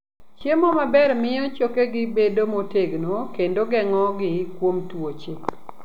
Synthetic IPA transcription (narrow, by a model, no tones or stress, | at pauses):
t͡ʃemɔmabɛrmɪjɔt͡ʃokeɡɪbedomoteɡnokendoɡɛŋɔɡɪkwomtwot͡ʃe